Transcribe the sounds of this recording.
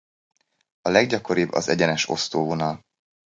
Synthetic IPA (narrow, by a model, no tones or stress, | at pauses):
ɒlɛɡɟɒkoɾibːɒ̰zɛɟɛnɛʃo̞̰st̪oːvonɒl